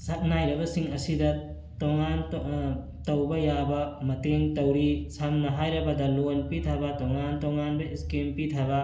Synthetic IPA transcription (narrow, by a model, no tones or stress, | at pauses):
sɐt̚najɾɐbɐsiŋɐsidɐ | toŋan | tɐwbɐjabɐmɐteŋtɐwɾisamnɐɦajɾɐbɐdɐlonpitʰɐbɐtoŋantoŋanbɐiskempitʰɐbɐ